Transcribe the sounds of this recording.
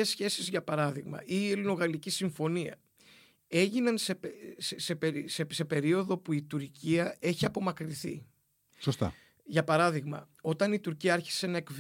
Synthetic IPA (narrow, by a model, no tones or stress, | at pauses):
esçe̞sizʝɐpɐɾɐðiɣmɐ̰ʔiːelino̞ɣɐlicisiɱfo̞niɐ̰ | e̞ʝinɐnsessepeɾsese̞pe̞ɾio̞ðo̞puit̪uɾciɐe̞çiɐpo̞mɐkɾiθḭ | sost̪ɐ̰ | ʝɐpɐɾɐðiɣmɐ̰ | o̞t̪ɐnit̪uɾciɐɐɾçi̥se̞nɐe̞kv